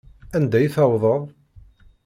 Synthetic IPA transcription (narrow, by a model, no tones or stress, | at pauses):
ænd̪æjθæwðˤəðˤ